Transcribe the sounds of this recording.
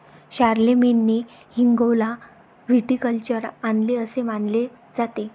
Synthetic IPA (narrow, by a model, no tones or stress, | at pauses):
ɕaɾlemenːe | hiŋɡowla | ʋiʈikəlt͡ɕəɾanleəsemanle | d͡zat̪e